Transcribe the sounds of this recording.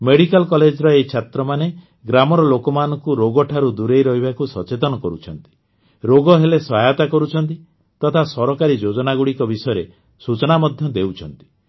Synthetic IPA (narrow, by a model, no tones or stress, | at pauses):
meɽikalkɔled͡ʒɾɔejt͡ʃʰat̪ɾɔmane | ɡɾamɔɾɔlokɔmanɔŋkuɾoɡɔʈʰaɾud̪uɾejɾɔɦibakusɔt͡ʃet̪ɔnɔkɔɾut͡ʃʰɔnt̪i̥ | ɾoɡɔɦelesɔɦajɔt̪akɔɾut͡ʃʰɔnt̪i | t̪ɔt̪ʰasɔɾɔkaɾid͡ʒod͡ʒɔnaɡuɽikɔbisɔjɔɾe | sut͡ʃɔnamɔd̪ʱjɔd̪ewt͡ʃʰɔnt̪i̥